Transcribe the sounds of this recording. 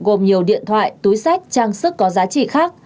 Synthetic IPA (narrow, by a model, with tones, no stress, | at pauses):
ɣo˨˩mɲi˨˩əwɗḭ˧˨ənt̪ʰwa̰ː˧˨jt̪u˨˦jsa˦˥jk̟̚t͡ɕaː˧ŋsɨ˦˥kːɔ˨˦zaː˨˦t͡ɕḭ˧˨xaː˦˥k̚